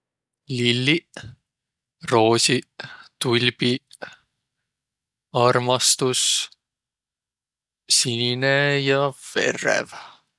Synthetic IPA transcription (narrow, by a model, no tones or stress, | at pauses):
lilːi | ro̞ːsʲit̪ulʲbi | ɑrmɑst̪us | sininejɑfe̞̰ɾḛv